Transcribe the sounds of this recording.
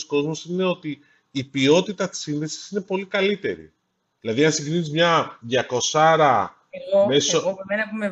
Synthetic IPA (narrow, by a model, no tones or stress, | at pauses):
sko̞zmo̞sine̞o̞t̪iː | pio̞t̪it̪ɐt̪i̥sinðe̞si̥sine̞po̞likɐlit̪e̞̰ɾḭ | ðilɐðiɐnsiŋɡɾinizmɲɐðʝɐko̞sɐɾɐ | me̞soenume